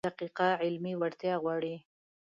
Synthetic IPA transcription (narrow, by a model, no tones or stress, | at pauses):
aqiqaʕɪlmiwaɾt̪jɑɣwɑɽi